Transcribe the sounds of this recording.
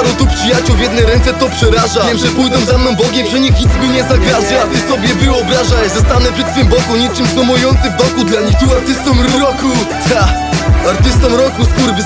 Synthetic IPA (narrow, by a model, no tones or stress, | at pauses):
ɾɔt̪upʂɨjat͡ɕuwvʲjɛd̪nɛjɾɛnt̪sɛt̪ɔpʂɛɾaʐajɛmʐɛpujd̪ɔ̃zamnɔ̃mbɔɡʲɛmpʂɛɲixɲit̪smiɲɛzaɡvaʒat̪ɪsɔbʲjɛvɨɔbɾaʐazɛst̪anɛvʐɛt̪sfɨmbɔkuɲit͡ʂɨmsnɔmɔjɔnt̪sɨvd̪ɔkud̪laɲixt̪uaɾt̪ɘst̪ɔmɾɾɔku | t̪a | aɾt̪ɘst̪ɔmɾɔkuskuɾb